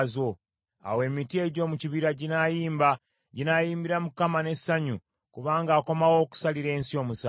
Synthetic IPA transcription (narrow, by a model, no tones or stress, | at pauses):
zo̞ | a̰we̞ːmitie̞ɟo̞ːmuciβiɾaɟinajiːmba | ɟinajiːmbiɾamukamane̞sːaɲu | kuβaːŋɡaːko̞mawo̞ːku̥saliɾe̞ːnsio̞ːmusa